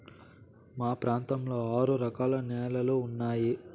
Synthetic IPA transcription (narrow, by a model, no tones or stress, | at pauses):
maːpɾaːnt̪ɐmlo̞ːaːɾuɾɐkaːlɐnɛːlɐluːnːaːji